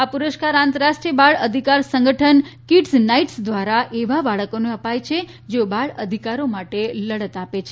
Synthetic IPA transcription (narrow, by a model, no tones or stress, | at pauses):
apuɾəʃkaɾãnt̪əɾaʃʈɾiəbaɭəd̪ʱikaɾsə̃ŋɡʱəʈʰənkiʈsnaiʈsd̪ʋaɾaʔeʋabaɭəkoneəpajt͡ʃʰe | d͡ʒeobaɭəd̪ʱikaɾomaʈeləɽət̪apet͡ʃʰe